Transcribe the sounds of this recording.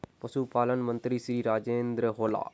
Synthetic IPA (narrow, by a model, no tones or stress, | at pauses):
pɐsupaːlɐnmɐnt̪ɾisɾiɾaːd͡ʒeːnd̪ɾɐɦoːla̰ː